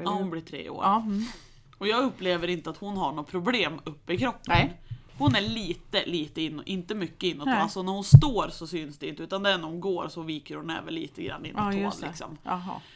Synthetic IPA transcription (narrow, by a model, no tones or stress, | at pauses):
hʊnbliːʈʰɾḛːo̰ːɾ | ɔjɑːɡɵpːleːvəɾɪnt̪əat̪hʊnɦaɳoːt̪̚pʰɾʊbleːmɵpːɪkʰɾɔpːəənhʊnæɭiːt̪əliːt̪əɪnːɔʔɪnt̪əmʏkːəɪnːɔt̪mɛnalsɔnæɾhʊnst̪oːɾsɔsʏnsd̪ɛɪnt̪əʉːt̪and̪ɛɛnæɾhʊnɡoːɾsɔviːkəɾhʊnɛ̰ːvə̰nlḭːt̪əɡɾa̰nːɪ̰nːonlɪksɔ̰m